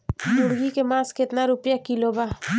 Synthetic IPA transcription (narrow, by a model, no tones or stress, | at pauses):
nʊɽɡikemãːskɪt̪naɾʊpjakilobaː